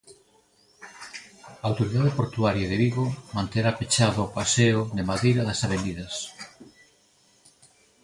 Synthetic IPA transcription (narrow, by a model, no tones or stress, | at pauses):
aːwt̪oɾiðaðɪpoɾt̪uaɾjɐðeβiɣomãnt̪eɾapet͡ʃaðʊːpaseʊðemaðejɾɐðɐsaβend̪iðɐs